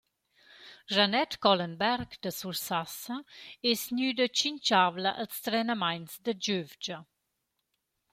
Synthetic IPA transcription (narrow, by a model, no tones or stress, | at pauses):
ʒanɛtkɔlənbɛɾɡd̪əsuɾsasəɛsnyd̪ət͡ʃiɲt͡ʃavləʔəlst̪ɾɛnəmajnsd̪əd͡ʒøvd͡ʒə